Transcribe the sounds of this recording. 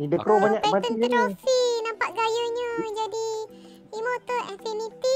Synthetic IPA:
nidəkɾobaɲakaat̪əid͡ʒinɔfinãmpaʔ̪̚ɡajəɲə̃d͡ʒadi | imõt̪əɛnfinit̪i

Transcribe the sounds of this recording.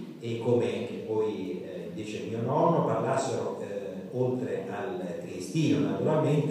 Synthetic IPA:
ekːomeaŋk̟epɔj | d̪iːt͡ʃemiːonɔnːoparlasːeɾo | olt̪ɾealkɾist̪iːnonat̪uɾalment̪

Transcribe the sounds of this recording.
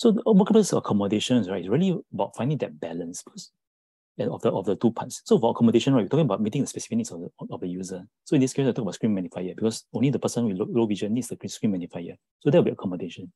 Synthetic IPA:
sowɔkɛ̃mbəsəkʰɔmədeʃɔ̃nsɹaɪtisɹiəliəbaʊtfãɪ̃ndĩŋdɛt̚bɛlə̃nsb̥ikɔs | ɛ̃ɔfdəʔɔfdətupʰatsːofɔəkʰɔmədeʃɔ̃naɪt̚jitɔkĩŋəbaʊt̚metĩŋdəspɛsi̥fiknisɔəɔfdəjuzə | soĩndiskeisatɔkbaʊskɹĩnmɛnifajəbikɔsõnlidəpəsə̃nwillowid͡ʒənisdəkiskɹĩnmɛnifajə | sodɛtwilbiəkʰɔmədeʃɔ̃n

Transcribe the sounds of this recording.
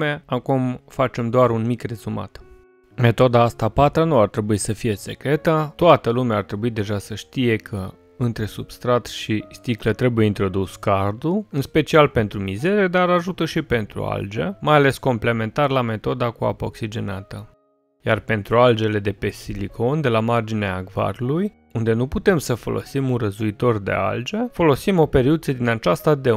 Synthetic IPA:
eakumfat͡ʃe̞md̪oaɾunmikre̞zuma̰t̪ | me̞t̪o̞d̪aːst̪apat̪ɾənuart̪ɾe̞buisəfije̞se̞kɾe̞t̪ət̪oat̪əlumeaːrt̪ɾe̞buid̪e̞ʒasəʃt̪ije̞kʰə | ɨnt̪ɾe̞subst̪ɾat̪ʃist̪iklət̪ɾe̞buje̞int̪ɾo̞d̪uskard̪uɨnspe̞t͡ʃialpe̞nt̪ɾumize̞ɾed̪aɾaʒut̪əʃipe̞nt̪ɾṵa̰ld͡ʒḛmajale̞sko̞mple̞me̞nt̪arlame̞t̪o̞d̪akua̰poksid͡ʒe̞nat̪ə | jarpe̞nt̪ɾuald͡ʒe̞le̞d̪e̞pe̞silikʰo̞nd̪e̞lamard͡ʒineaːɡva̰ɾuluj | und̪e̞nuput̪e̞msəfo̞̰lʔo̰simunrəzuit̪o̞rd̪e̞̰a̰ld͡ʒefo̞lo̞simo̞pe̞ɾiut̪səd̪inat͡ʃast̪ad̪e

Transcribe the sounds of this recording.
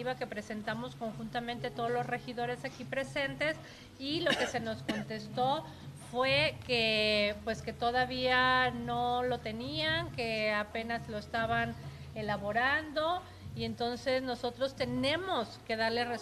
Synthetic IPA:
iβake̞pɾe̞se̞nt̪amo̞sko̞ŋxunt̪amẽnt̪e̞t̪o̞ðolosre̞xiðo̞ɾe̞sakipɾe̞se̞nt̪e̞s | ilo̞ke̞se̞no̞sko̞nt̪e̞st̪o̞ | fwe̞kepwe̞ske̞t̪o̞ðaβiano̞lo̞t̪e̞niaŋkeape̞nazlo̞est̪aβan | e̞laβo̞ɾand̪o̞ | ie̞nt̪o̞nse̞zno̞so̞t̪ɾo̞st̪e̞nẽ̞mo̞ske̞ðaɾlere

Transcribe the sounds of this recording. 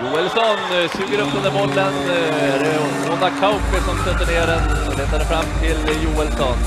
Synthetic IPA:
juːɛlsɔnsʉːɡəɾɵpːɵnd̪əɾmɔlːən | æɖɛ | mɔnakʰaʊpɪsɔmsœt̪ːəɳeːɾɛnɔleːt̪aɖɛfɾamːt̪ʰɪljuːɛlsɔn

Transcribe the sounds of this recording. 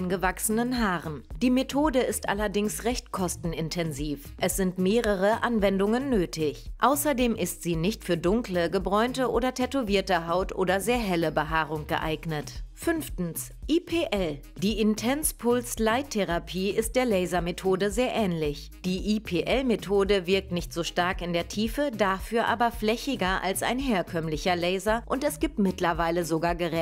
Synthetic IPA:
nɡəvaksənənɦaːʁənd̥iːmetʰoːdəɪstʔa̰lɐdɪŋsʁɛçtkʰɔstn̩ɪntʰɛnziːfʔɛsz̥ɪntmeːʁəʁəʔanvɛndʊŋənːøːtʰɪçʔaʊsɐdeːmʔɪstz̥iːnɪçtfyːɐdʊŋkləɡəbʁɔʏntəʔoːdɐtʰɛtuviːɐtəɦaʊtʔo̰ːdɐzeːɐɦɛləbəɦaːʁʊŋɡ̥ə̰ʔa̰ɪɡnətfʏnftn̩s | ʔipʰeːʔɛl | d̥iːɪntʰɛnspʰʊlslaɪtʰːeʁapʰiːɪst̚d̥eːɐlɛɪzɐmetʰoːdəzeːɐʔɛːnlɪç | d̥iːʔipʰeːʔɛlmetʰoːdəvɪɐk̚tnɪçtz̥oːʃtaɐkɪndeːɐtʰiːfədafyːɐʔaːbɐflɛçɪɡɐʔa̰lsa̰ɪnɦeːɐkʰœmlɪçɐlɛɪzɐʔʊntɛsɡ̥iːp̚tmɪtlɐvaɪləzoɡaːɐɡəʁɛ

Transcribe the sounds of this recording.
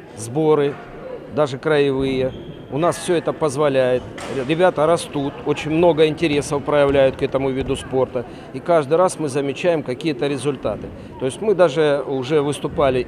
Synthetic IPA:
zbo̞ɾɨ | d̪aʐɨkɾəɪvɨjə | ʊnasfsʲɵɛt̪əpəzvɐlʲæjɪt̪ʲɾʲɪbʲat̪əɾɐst̪ut̪o̞t͡ɕɪnʲmno̞ɡəɪnʲtʲɪɾʲe̞səfpɾəjɪvlʲæjʊt̪̚kɛt̪əmʊvʲid̪ʊspo̞rt̪ə | ikaʐd̪ɨjɾasmɨzəmʲɪt͡ɕæjɪmkɐkʲijət̪əɾʲɪzʊlʲt̪a̰t̪ɨ | t̪o̞ɪsʲtʲmɨd̪aʐɨʊʐɛvɨst̪ʊpalʲɪ

